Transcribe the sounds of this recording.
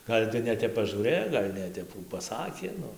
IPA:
ˈɡɐlʲ tɐɪ nʲɛˈtʲɛp pɐʒuːˈrɘjoː ˈɡɐlʲ nʲɛˈtʲɛp ˈkuː pɐˈsɑːkʲeː ˈnʊ

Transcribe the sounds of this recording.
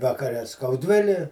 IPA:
ʋɐkɐˈrʲɛ skɐʊˈdʲʋʲɪlʲɪ

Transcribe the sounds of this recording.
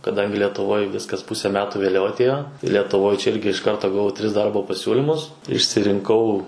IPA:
kɐˈdɐŋʲɡʲɪ lʲɛtʊˈʋoːj ˈʋʲɪskɐs ˈpʊsʲɛ ˈmʲæːtʊ ʋʲeːˈlʲɛʊ ɐˈtʲeːjoː lʲɛtʊˈʋoːj t͡ʃʲɛ ˈɪrʲɡʲɪ ɪʃ ˈkɐrtoː ɡɐˈʋɐʊ ˈtʲrʲɪs ˈdɐrboː pɐˈsʲuːlʲɪmʊs ɪʃʲsʲɪrʲɪŋˈkɐʊ

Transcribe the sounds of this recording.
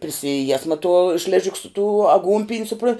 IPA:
pʲrʲɪsʲɪˈjiɛsmɐ tuɔ ˈʃʲlʲæːʒʲɪk sʊ tuː ɐˈɡuːnʲpʲɪnʲ sʊˈproːn

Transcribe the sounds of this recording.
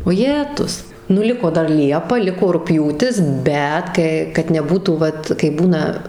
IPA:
oːˈjæːtʊs nʊ ˈlʲɪkoː ˈdɐr ˈlʲiɛpɐ ˈlʲɪkoː rʊkˈpʲjuːtʲɪs ˈbʲɛt ˈkə kɐt nʲɛˈbuːtuː ˈʋɐt kɐɪ ˈbuːnɐ

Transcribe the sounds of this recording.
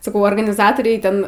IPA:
sɐˈkɐʊ oːrɡɐnʲɪˈzɑːtoːrʲɛɪ ˈtʲɛn

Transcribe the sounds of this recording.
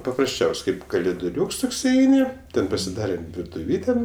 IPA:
pɐprɐsʲˈt͡ʃʲɛʊsʲ ˈkɐɪp kɐlʲɪdʊˈrʲuːks ˈtoːks ɪˈɛɪnʲɪ ˈtʲɛn pɐsʲɪˈdɑːrʲɛm ʋʲɪrtʊˈʋʲiːtʲɛ

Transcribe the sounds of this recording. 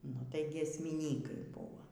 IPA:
nʊ tɐɪ ɡʲiɛsʲmʲɪˈnʲiːkɐɪ ˈbuːʋoː

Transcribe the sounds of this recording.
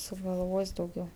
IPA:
sʊɡɐlˠˈʋoːsʲ dɐʊˈɡʲɛʊ

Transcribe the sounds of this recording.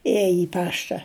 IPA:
ˈeːjɛ ɪ ˈpɑːʃtɐ

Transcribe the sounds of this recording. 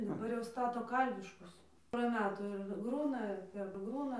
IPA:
dɐˈbɐr jɛʊ ˈstɑːtoː ˈkɐlʲʋʲɪʃkʊs poːrɐ ˈmʲæːtuː ˈɪr ˈɡruːnɐ ɪr pʲɛrˈɡruːnɐ

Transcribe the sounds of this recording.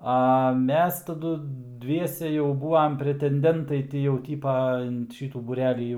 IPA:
ɐ ˈmʲɛs tɐˈdʊ ˈdʲʋʲiɛsʲɛ jɛʊ ˈbuːɐm pʲrʲɛtʲɛnʲˈdʲɛntɐɪ ˈtʲɪ jɛʊ ˈtʲiːpɐ ɪn ˈʃʲiːtuː buːˈrʲæːlʲiː jɛʊ

